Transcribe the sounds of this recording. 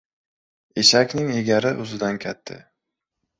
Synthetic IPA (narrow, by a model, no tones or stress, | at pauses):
eʃakʲnɪŋeɡʲaɾɪʔʊzɪd̪ankʲʰat̪ʰːɪ̰